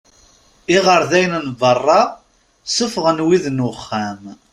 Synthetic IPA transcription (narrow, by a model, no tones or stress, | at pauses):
ɪʁəɾðæjnnvərˤːɑ | səfʁənwiðnʊχːæm